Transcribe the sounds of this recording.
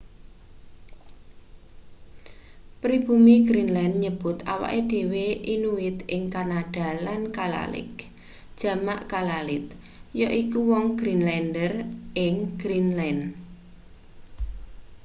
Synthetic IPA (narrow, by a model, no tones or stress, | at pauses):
pɾib̥umiɡɾinlɛnɲəb̥ʊt̪a̰wa̰ʔed̥e̤weʔinuwɪt̪ɪŋkanaɖ̥a̤lankala̰lɪ̰k | d̥ʒ̥ä̤maʔkalalɪt̪̚ | jɔʔikuwɔŋɡ̥ɾinlɛndərʔɪŋɡ̥ɾinlɛn